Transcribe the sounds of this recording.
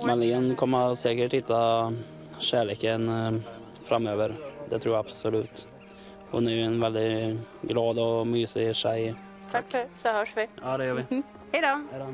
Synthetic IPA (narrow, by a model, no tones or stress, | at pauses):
maniənkʰɔmːəsɛːkəʈhɪt̪ːa | ɕæːɭeːkən | fɾamːøːvəɾd̪ɛt̪ʰɾuːjaabsɔlʉ̟ːt̪ | hʊ̰næɾjɵɛnvɛld̪ɪɡlɑːd̪ɔmyːsɪɕɛj | t̪ʰaksɔhœːʂʋɪd̪ɛjøːɪ | hɛjd̪ɔ